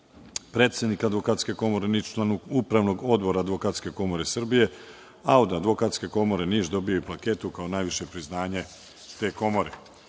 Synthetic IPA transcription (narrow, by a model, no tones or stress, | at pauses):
pɾe̞ːt̪sʲjed̪nikad̪ʋo̞kat̪ske̞ko̞mo̞ɾe̞nit͡ʃlanuɡupɾaʋno̞ɡo̞d̪bo̞ɾaːd̪ʋo̞kat̪skʲe̞ko̞mo̞ɾe̞sr̩bije̞ | aod̪ad̪ʋo̞kat̪ske̞ko̞mo̞ɾe̞niːʒd̪o̞bijoiplake̞ːt̪ukao̞naːjʋiʃe̞pɾiznaːɲe̞ | t̪e̞ːko̞mo̞ɾe̞